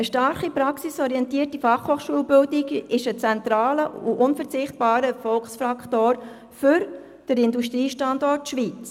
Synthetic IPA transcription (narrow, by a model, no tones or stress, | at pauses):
əʃtɑɾχipɾɑksisɔɾiɛntiːərtifɑχhoːχʃuəlbɪldikɪʃət͡sɛnt̪ɾɑːləuʔʊnfəɾt͡sɪχt̚b̥ɑːɾəfɔlksfɾɑktoːɾ | fʏɾ | d̥əɾɪnduʃtɾiːʃtɑndɔːtʃʋit͡s